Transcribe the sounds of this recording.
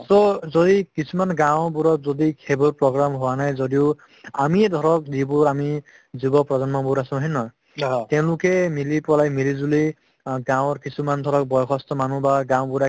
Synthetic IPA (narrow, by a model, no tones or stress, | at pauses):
sɔzodikisumanɡãw̃buɹɔt̚zodikʰeboɹpɹɔɡɹamɦʊwanajzodiʊ | a̰mid̪ʱɔɹɔk̚dibʊɹami | zibɔpɹɔdanmɔbʊɹasɔ̃ɦinɔ | tɛ̃ʊ̃lʊkɛmilipɔlajmilizuli | ɡãw̃ɔɹkisumand̪ʱɔɹɔk̚bɔjɔkʰɔstɔmanubaɡãwbuɾa